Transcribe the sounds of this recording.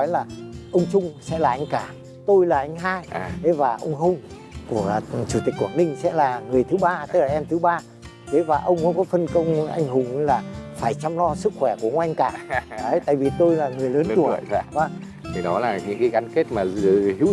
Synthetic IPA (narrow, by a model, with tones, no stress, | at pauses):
ɔ˨˦jlaː˨˩ʔə˧wŋ͡mt͡ɕʊ˧ŋ͡msɛ̰˧˥laː˨˩ʔa˧jŋ̟kaː˧˩ | t̪o˧jlaː˨˩ʔa˧jŋ̟ɦaː˧je˨˦vaː˨˩ʔə̰˧wŋ͡mɦə˧wŋ͡m | ku˧˩ə˧t͡ɕu˧˩t̪i˨˩k̚u˨˧˩a˨˩nï˧ŋ̟sɛ̰˧˥laː˨˩ŋɨ˨˩əjt̪ʰɨ˨˦ɓaː˧t̪ə˦˥laː˨˩ʔɛ˧mt̪ʰɨ˨˦ɓaː˧ | ke˨˦vaː˨˩ʔə˧wŋ͡mkṵ˧˦kɔ˨˦fə˧nkə˧wŋ͡mʔa̰˧jŋ̟ɦʊ˨˩ŋ͡mlaː˨˩faː˧˩jt͡ɕa˧ŋ͡mlɔ˧sɨ˦˥k̚xwɛ˧˩ku˧˩əʔə˧wŋ͡mʔa˧jŋ̟kaː˧˩əː˨˦jt̪a̰ː˧˨vi˨˩t̪o˧jlaː˨˩ŋɨ˨˩əjləː˨˦˨t̪ṵ˧˩˨vaː˧˩ | t̪ʰi˨˩ɗɔ˨˦laː˨˩ɲɨ̰˧˥ŋkaː˨˦jɣa˨˦nke˦˥t̚maː˨˩˨hi˨˧˥w